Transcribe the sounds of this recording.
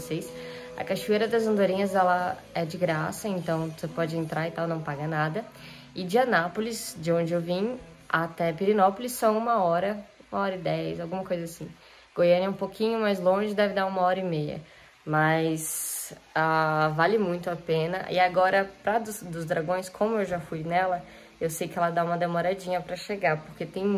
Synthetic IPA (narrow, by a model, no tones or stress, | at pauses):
vosejs | ɐ̰kaʃuejɾɐd̪ɐzɐ̃nd̪oɾĩɲɐzɛlɐ | ɛd͡ʒɪɡɾasɐẽnt̪ɐ̃w̃vosepɔd͡ʒɪẽnt̪ɾaɾɪt̪awnɐ̃w̃paɡɐnad̪ɐ | ɪd͡ʒɪɐnapolɪsd͡ʒɪõnd͡ʒɪewvĩj | at̪ɛpiɾinɔpolɪsːɐ̃w̃ũmɐɔɾɐũmɐɔɾɐɪd̪ɛjzawɡũmɐkojzɐasĩ | ɡ̥ojeɾɪ̃ũpokʰĩɲʊmajzlõʒɪd̪ɛvɪd̪aũmɐɔɾɐimejɐ̰ | mɐjs | avalɪmũj̃t̪ʊapẽnɐʔɪ̰aɡɔɾɐpɾɐd̪ʊsd̪ʊzd̪ɾaɡõj̃skʰõmʊewʒafujnɛlɐ | ewsejkɪɛlɐd̪aũmɐd̪emoɾad͡ʒĩɲɐpɾɐʃeɡapoɾket̪ẽj̃